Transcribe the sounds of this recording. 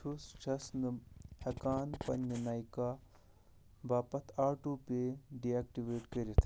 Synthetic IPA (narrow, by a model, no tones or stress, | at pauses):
t͡ʃʰust͡ʃʰɐsnɨhɐkaːnpɐnːɐnaːjkaː | baːpɐt̪ʰaːʈuːpeɖiaːk̚ʈiʋeːʈkɐɾit̪ʰ